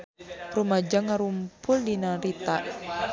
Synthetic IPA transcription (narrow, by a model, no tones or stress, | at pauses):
rumad͡ʒaŋaɾumpʊldinaɾit̪a